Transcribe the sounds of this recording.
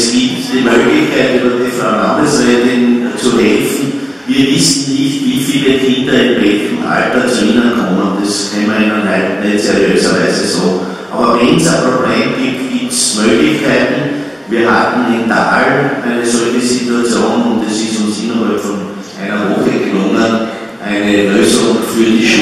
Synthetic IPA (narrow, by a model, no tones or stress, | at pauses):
sɡ̥i̥ | d̥emøɡ̥likʰaɪdelɐd̥efɑnɑmd̥əsed̥ent͡sʰoɦelfn̩ | ʋiɐʋisd̥n̩liʋilfilehend̥ɐedbeɡ̥m̩a̰lbd̥ɐsɒinɐnkʰonɔmd̥eskʰɛmɐenɐnæ̥neðˠt͡sʰeɐløsaʋæsesɔ̰ | ʔa̰ːbɐʋɛnsapʁob̥leːmɡ̥ip̚tɡ̥iːp̚tsmøːɡ̥lɪçkʰaɪt̪n̩ | ʋiːɐɦatn̩ɪnta̰ːlʔæɪnəsɔlçəsituat͡sjoːnʊnt̚d̥esɪsʊnsinɐɦɔpfɔn | ʔæɪnɐʋɔxəɡelʊŋən | ʔæɪneløːsʊŋfyːɐdiʃ